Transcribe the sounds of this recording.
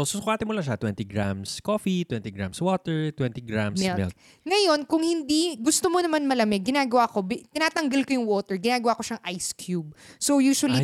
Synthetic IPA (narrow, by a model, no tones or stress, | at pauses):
sosokʊaːt̪ɪmʊlaʃ̬at̪wɛnt̪ɪɡɾamskoːfit̪wɛnt̪iɡɾa̰mswoːt̪ɛɹt̪wɛnt̪iɡɾamsmɛlmɛ̰l | ŋɐjo̞nkʊŋhɪnd̪iɡʊst̪omonɐmanmɐlɐmɛɡɪnaːɡɐwako̞bt̪ɪnaːt̪ɐŋɡɐlkojʊŋwoːt̪ɛɹɡɪnaːɡɐwako̞ʃaŋʔajskʰjub̚sowjuːʃwɐli